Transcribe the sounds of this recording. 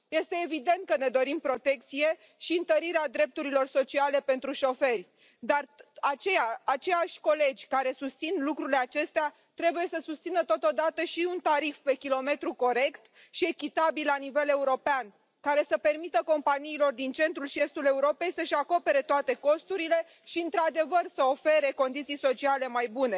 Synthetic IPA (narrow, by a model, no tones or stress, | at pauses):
je̞st̪e̞ːvid̪e̞nt̪̚kəne̞d̪o̞ɾimpɾo̞t̪e̞k̚t̪sije̞ | ʃiɨnt̪əɾiɾead̪ɾe̞p̚t̪uɾilo̞rso̞t͡ʃiale̞pe̞nt̪ɾuʃo̞fe̞rʲ | d̪arat͡ʃe̞jaat͡ʃe̞jaʃʲko̞le̞d͡ʒʲkaɾe̞sust̪sinlukɾuɾile̞at͡ʃe̞st̪ea | t̪ɾe̞buje̞səsust̪sinət̪o̞t̪od̪at̪əʃiunt̪aɾifpe̞kʲilo̞me̞t̪ɾuko̞ɾe̞kt̪ | ʃie̞kʲit̪abillanive̞le̞uɾo̞pean | kaɾe̞səpe̞rmit̪əko̞mpaniːlo̞rd̪int͡ʃe̞nt̪ɾulʃie̞st̪ule̞uɾo̞pe̞jsəʃʲako̞pe̞ɾe̞t̪oat̪e̞ko̞st̪uɾile̞ | ʃiɨnt̪ɾad̪e̞vərsəofe̞ɾe̞ko̞nd̪it̪sijso̞t͡ʃiale̞majbune̞